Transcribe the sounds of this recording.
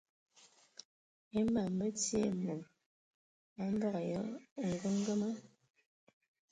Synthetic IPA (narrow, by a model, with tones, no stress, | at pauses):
e˦ma˨mə˦t͡sje˦mo˨p̚ | a˦m˦bɔ˦ɣjə˦˨ŋ˨ɡu˦ŋ˦ɡə˦mə˦